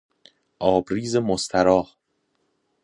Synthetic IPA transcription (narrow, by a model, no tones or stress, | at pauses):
ʔɒːbɾiːzemost̪ʰæɾɒːh